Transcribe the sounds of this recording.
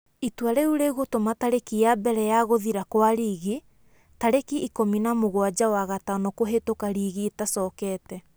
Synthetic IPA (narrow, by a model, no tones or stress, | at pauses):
itwaɾeuɾeɣotomataɾekijabɛɾɛjaɣoðiɾakwaɾiɣi | taɾekiʔikominamoɣwad͡ʒawaɣataɔnɔkoɦetokaɾiːɣietasɔːkɛtɛ